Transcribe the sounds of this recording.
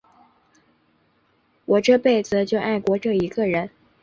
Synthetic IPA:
wʔɔ˨˩ʈ͡ʂɤ˥˧pe˥˩ɪd͡z̩˨˩t͡ɕjo˥˧ʊʔa˥˩ɪkwɔ˧˥ʈ͡ʂɤ˥˩i˧˥ɡə˧ɻə˧˥n

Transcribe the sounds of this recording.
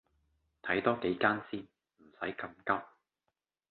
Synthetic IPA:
t̪ʰɐ˨˥jt̪ɔː˥ke˨˥jkaː˥nsiː˥n | m̩˨˩sɐ˨˥jkɐ˧mkɐ˥p̚

